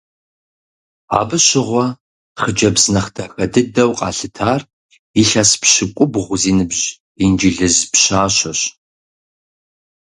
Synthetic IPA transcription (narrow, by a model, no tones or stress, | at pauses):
a̰ːbɨɕɪʁʷɔ | χəd͡ʒɐbznɐχtʰɐxɐdɨdɐwqʼɑ̰ːɬɨtʰaːr | iɬɐspɕɪkʷʼʊbʁʷʊziːnɨbʑ | ind͡ʒiɮɨzpɕaːɕɐɕ